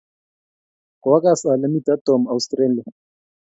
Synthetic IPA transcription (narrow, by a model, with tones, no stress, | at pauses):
kɔ˨wa˦kʼa˦sa˨la˦mi˦t̪a˦t̪ɔ˨ma˨wstra˦lia˨